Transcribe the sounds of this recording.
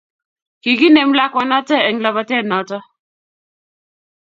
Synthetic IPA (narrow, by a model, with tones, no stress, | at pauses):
ki˨ki˦ne˨mla˦kwa˨nɔ˦tɛ˦ɛ˨ŋla˨ba˦tɛ˦˨nɔ˨˦tɔ˦